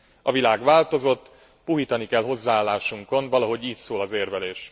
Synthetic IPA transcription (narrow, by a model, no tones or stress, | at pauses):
ɒvilaːɡʋaːlt̪o̞zo̞t̪ː | puɦiːt̪ɒnikɛlɦo̞zːaːlːaːʃuŋko̞nvɒlɒɦo̞ɟiːt̪soːlɒzeːrvɛleːʃ